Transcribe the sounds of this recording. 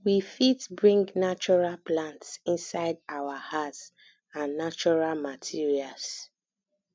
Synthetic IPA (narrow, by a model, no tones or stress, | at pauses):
wifitbɹĩŋɡnat͡ʃɔɹalplãntsĩnsaɪdawahats | ãnːat͡ʃɔɹalmatʰiɹials